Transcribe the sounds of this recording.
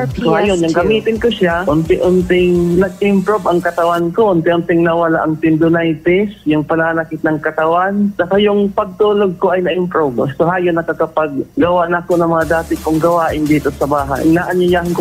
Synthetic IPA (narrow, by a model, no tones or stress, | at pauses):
sohajonjʊŋɡɐmiːt̪ɪnkoʃaʔʊnt̪ɪʔʊnt̪ɪŋnɐɡ̚ʔɪmpɾobɐŋkɐt̪ɐwankoʔʊnt̪ɪʔʊnt̪ɪŋnɐwɐlaʔɐŋt̪ɪnd̪ʊnajt̪ɪsjʊŋpɐnaːnɐkɪt̪̚nɐŋkɐt̪ɐwant͡ʃɐkajʊŋpɐɡ̚t̪uːloɡ̚koʔɐjnɐʔɪmpɾobsoɦaːjonːɐkɐkɐpaɡ̚ɡɐwaʔnɐɐkonɐŋmɐŋad̪aːt̪ɪʔkʊŋɡɐwaːʔɪnd̪iːt̪o̞sɐbaːɦa̰jnaʔɐɲʊjaːhɪnko